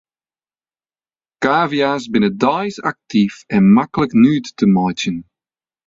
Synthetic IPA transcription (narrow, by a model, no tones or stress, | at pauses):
kaːviazbɪnədaɪza̰k̚tʰifɛ̃nmakləknʉːdtʰːəmaɪt͡ʃə̃n